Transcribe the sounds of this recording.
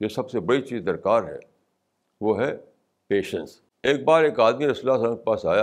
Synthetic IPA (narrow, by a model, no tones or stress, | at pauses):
joːsɐbsebɐɽit͡ʃiːzd̪ɐɾkaːɾɦɛ̰ː | ʋoːɦɛ | peːʃə̰̃ns | eːk̚baːɾeːkaːd̪miɾɪslaːsə̃ːkepaːsaːja